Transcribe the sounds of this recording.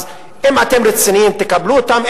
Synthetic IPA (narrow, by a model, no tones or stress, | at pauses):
ɪmːɐk̪ɛmɾɪsɪnint̪ɪkɐbluːt̪ɐm